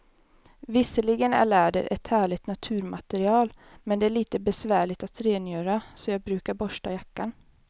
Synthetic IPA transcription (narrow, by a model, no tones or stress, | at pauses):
vɪsəlɪɡənæ̰ɭæːɖə̰ɾʔɛt̪hæːɭɪt̪nat̪ʰʉ̟ːɾmat̪ɛɾɪɑːl | mɛnd̪ɛæɭiːt̪əbɛsvæːɭɪt̪at̪ʰːɾeːnjøːɾasɔjɑːɡ̚bɾʉ̟ːkaɾbɔʂʈajakːan